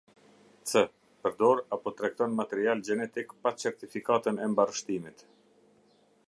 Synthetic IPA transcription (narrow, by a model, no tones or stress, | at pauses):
t͡sə | pəɾd̪ɔɾapɔt̪ɾɛk̚t̪ɔnmat̪ɛɾiald͡ʒɛnɛt̪ikpat͡sɛɾt̪ifikat̪ənɛmbarəʃt̪imit̪